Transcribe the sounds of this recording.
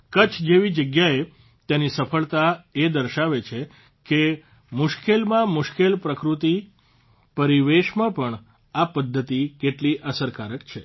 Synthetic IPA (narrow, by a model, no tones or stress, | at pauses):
kət͡ʃʰd͡ʒeʋid͡ʒəɡjae | t̪enisəfʰəɭt̪aed̪əɾʃaʋet͡ʃʰe | ke | mʊʃkelmãmʊʃkelpɾəkɾut̪i | pəɾiʋeʃmãpəɳ | apəd̪ʱːət̪ikeʈliʔəsəɾkaɾəkt͡ʃʰe